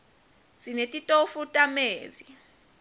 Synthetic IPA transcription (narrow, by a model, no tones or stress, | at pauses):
sinetʼitʼofutʼameːzi